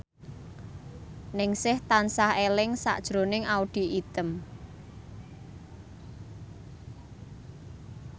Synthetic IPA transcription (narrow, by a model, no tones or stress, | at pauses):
nɪŋsɪht̪ansahelɪŋsa̰ʔd̥ʒ̥ɾonɪŋaud̪̥i̤ʔit̪əm